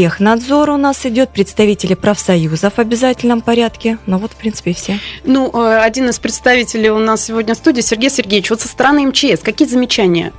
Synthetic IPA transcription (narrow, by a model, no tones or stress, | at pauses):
exnɐd̪zo̞ɾʊnasɪdʲo̞t̪̚pɾʲɪt̪st̪ɐvʲitʲɪlʲɪpɾəfsɐjuzəvɐbʲɪzatʲɪlʲnəmpɐɾʲat̪kʲɪnovo̞t̪fpɾʲinsɨ̥pʲɪfsʲenuʔəɐdʲinɨspɾʲɪt̪st̪ɐvʲitʲɪlʲɪjʊnassʲɪvo̞dʲnʲəfst̪udʲɪːsʲɪrɡʲejsʲɪrɡʲevʲɪt͡ɕvot̪sə̥st̪əɾɐnɨɛmt͡ɕɪɛskɐkʲijəzəmʲɪt͡ɕænʲɪjə̰